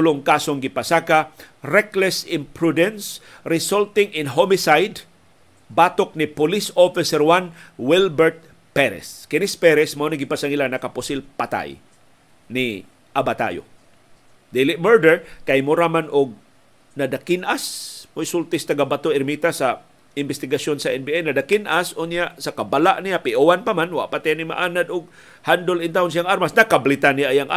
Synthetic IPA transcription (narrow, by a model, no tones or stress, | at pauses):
ʊloŋkasoŋɡɪpasaka | ɾɛklɛsɪmpɹud̪ɛns | ɾɪsolt̪ɪŋʔɪnɦomɪsajd̪ | bat̪ok̚nɪpʊlisofɪsɛɾwanwɪlbɛɹt̪̚ | pɛɾɛ̰skɪnɪspɛɾɛsmaʔonaɡɪpasaŋɪlanɐkapʊsɪlpɐt̪a̰j | nɪ | ʔabat̪a̰jo̰ | d̪ilɪmɛɹd̪ɛɹkajmʊɾamanʔʊɡ̚ | nad̪akɪnʔasmʊjsult̪ɪst̪aɡabat̪oɪɾmit̪asa | ɪnbɪst̪ɪɡasjonsaʔɛnbiʔɛjnad̪akɪnʔasʔʊnjaʔsakabalaʔnijapɪʔuwanpamanwa̰ʔpat̪ɪanɪma̰ʔanad̪ʊɡ̚ | hand̪olɪnt̪aʊnsiaŋaɾmasnakablɪt̪anijaʔjaŋʔa